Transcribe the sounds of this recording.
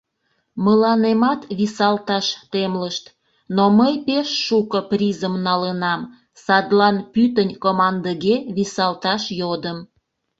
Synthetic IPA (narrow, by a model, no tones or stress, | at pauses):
məlɑnemɑt̪βisɑlt̪ɑʃt̪emləʃt̪ | noməjpeʃːukəprʲizəmnɑlənɑm | sɑd̪lɑnpyt̪ənʲkomɑnd̪əɣeβisɑlt̪ɑʃjod̪əm